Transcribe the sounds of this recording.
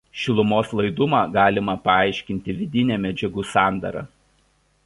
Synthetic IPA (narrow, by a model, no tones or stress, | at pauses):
ʃʲɪlˠʊmoːslˠɐɪd̪ʊmɑːɡɑːlʲɪmɐpɐɑˑɪʃʲkʲɪnʲt̪ʲɪʋʲɪd̪ʲɪnʲæmʲɛd͡ʒʲɛɡʊsɑˑnd̪ɐ̰ɾɑ̰ː